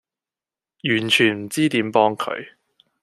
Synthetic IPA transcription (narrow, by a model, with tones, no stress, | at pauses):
jyː˨˩nt͡ʃʰyː˨˩nm̩˨˩t͡siː˥t̪iː˨˥mpɔː˥ŋkʰɵ̰˨˧ɥ